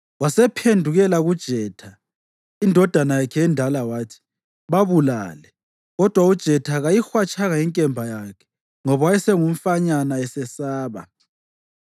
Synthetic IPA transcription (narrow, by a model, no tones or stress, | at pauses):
wasɛpʰendʱuɣɛlaɣud̥ʒ̥ʱɛːtʰa | indʱɔd̥ʱanajakʰɛjɛndʱalawaːtʰi̥ | βaβula̰ːlɛ | ɣɔd̥ʱwaud̥ʒ̥ʱɛtʰaɣajixwat͡ʃʼaɣaiŋkʼɛmbʱajakʰɛ̥ | ŋɔβawajɛsɛŋum̩faɲanaɛsɛsaːβa̰